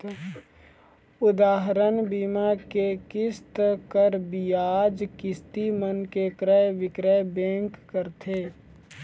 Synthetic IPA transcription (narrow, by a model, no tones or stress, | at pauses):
ʊd̪aːɦɾənbimakekɪst̪kəɾbijaːd͡ʒkɪst̪imənkekɾəjʋɪkɾəjbẽːŋkːəɾt̪ʰeː